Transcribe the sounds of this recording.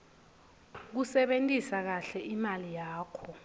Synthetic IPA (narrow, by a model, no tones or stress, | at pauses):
k̬usɛɓentʼisak̬aɬɛʔimalijaːkʰɔ